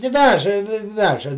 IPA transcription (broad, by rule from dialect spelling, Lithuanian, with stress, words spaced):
tʲɪ ˈʋʲæːʒɐ ˈʋʲæːʒɐ